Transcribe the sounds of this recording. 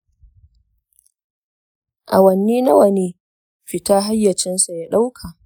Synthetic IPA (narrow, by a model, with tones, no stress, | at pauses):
ʔa˨wɐ˨nːiː˦na˦wɐ˨neː˦ | ɸɪ˨taː˦ɦa˦jːɐ˨t͡ʃɛ˦nsa˨ja˦ɗa˦wkʰa˨ʔ